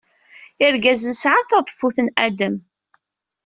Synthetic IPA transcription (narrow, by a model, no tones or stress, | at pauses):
ɪɾɡæzənsʕaθɑðˤfuθənʔæd̪əm